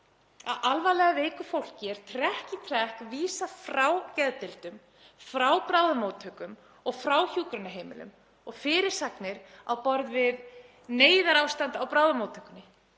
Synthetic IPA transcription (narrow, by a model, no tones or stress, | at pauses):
a̰ðalvalɛɣaveːjkʏfowl̥cɪɛɾ̥t̪ʰɾɛhcɪt̪ʰɾɛhkviːsafɾawcɛðt̪ɪlt̪ʏm | fɾawpɾaːwðʏmowt̪ʰœkʏm | ɔɣfɾawçuːkɾʏnaɦeːjmɪ̰lʏ̰m | ɔɣfɪːɾɪɾ̥saknɪɾawpɔɾðvɪð | neːjðaɾawst̪ant̪awpɾawðʏmowt̪hœ̥kːʏnɪ